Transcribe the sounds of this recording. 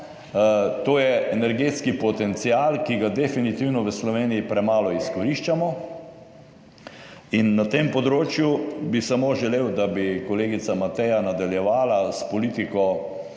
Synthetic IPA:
t̪oːjɛɛnɛɾɡeːt̪skipɔt̪ɛnt̪sialkiɡad̪ɛfinit̪iwnɔʋəslɔʋeːniipɾɛmaːlɔiskɔɾiʃt͡ʃamɔ | inːat̪empɔd̪ɾoːt͡ʃjubisamoʒɛleːwd̪abikɔleːɡit̪samat̪ɛjanad̪aljɛʋaːlaspɔliːt̪ikɔ

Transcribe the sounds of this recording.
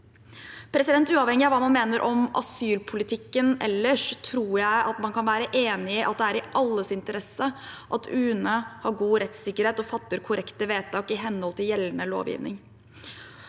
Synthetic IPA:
pʰɾɛsɪd̪ɛnt̪ʉːɑːʋhɛŋːɪɑɾʋɑːmɑnmeːnəɾʔɔmɑ̰syːlpʰʊlɪt̪ʰɪkːənɛ̰lːəʂt̪ʰɾuːɾjæɪʔɑt̪mɑnkʰɑnʋæːɾəʔeːnɪɪʔɑ̰t̪̚d̪ɛæːɾɪʔɑlːəsɪnt̪əɾɛsəʔɑt̪ʰʉːnəhɑɾɡuːɾɛt̪sɪkːəɾheːt̪ɔfɑt̪ːəɾkʰʊɾʔɛkt̪əʋeːt̪ʰɑːkɪɦɛnːhɔlt̪ɪljɛlːənəlo̰ːʋjɪ̰ːʋnɪ̰ŋ

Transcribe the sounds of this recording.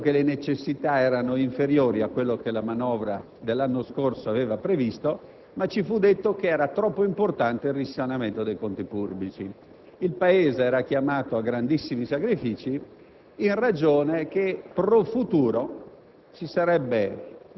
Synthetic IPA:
kelenet͡ʃesːit̪aɛːɾanoiɱfeɾjoːɾiakːwelːokelamanɔːvɾa | d̪elːanːoskorsoavɛːvapɾevist̪o | mat͡ʃːifud̪et̪ːokeɛːɾat̪ɾɔpːoimport̪ant̪eirisːanament̪od̪ejkont̪ipurbit͡ʃi | ilpaeːzeɛːɾak̟jamaːt̪oaɡɾand̪isːimisakɾifiːt͡ʃi | inrad͡ʒoːnek̟epɾofut̪uːɾo | t͡ʃisaɾɛbːe

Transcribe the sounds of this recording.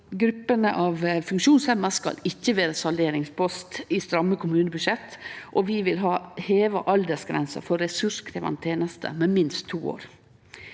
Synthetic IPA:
ɡɾʉpːənəʔɑːʋfʉŋkʃuːnsɛməskɑ̰lɪçːəʋeːɾəsɑld̪eːɾɪŋspɔst̪ɪst̪ɾɑmːəkʰʊmʉːnəbʉʃɛt̪ːʔɔʋɪːʋɪlɦɑːheːʋə̰ʔɑld̪əsɡɾɛnsə̰fɔɾːɛsʉʂkʰɾeːʋɑ̰nt̪ʰeːnəst̪ʰə̰mɛːmɪnst̪ʰːuːo̰ːɾ

